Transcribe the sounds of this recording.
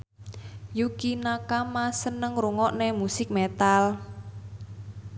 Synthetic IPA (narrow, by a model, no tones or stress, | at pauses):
jukinakamasənəŋɾuŋɔʔnemusɪk̚met̪al